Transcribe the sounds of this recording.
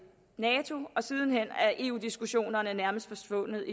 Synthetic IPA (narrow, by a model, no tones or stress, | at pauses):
nɛːt͡sʰo̝ɒ̽sið̞ˠn̩ɦen̰æɐʔe̝ːṵːd̥isɡ̥uɕo̝̰ːnɐnənæɐməsd̥fɒ̽sʋɔ̽nð̞̩ˠi